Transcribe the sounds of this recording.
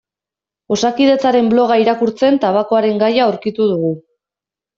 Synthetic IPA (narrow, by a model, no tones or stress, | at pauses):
o̞sakið̞e̞t͡saɾe̞mblo̞ɣ̞aiɾakuɾt͡se̞nt̪aβako̞aɾe̞ŋɡajaowɾkit̪uð̞uɣu